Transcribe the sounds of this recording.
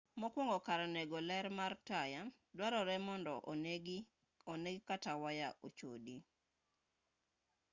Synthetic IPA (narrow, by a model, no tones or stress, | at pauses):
mɔkwɔŋɡɔkaɾanɛɡɔlɛɾmartaja | dwaɾɔɾɛmɔndɔʔ | oneɡikatawajaʔot͡ʃo̰di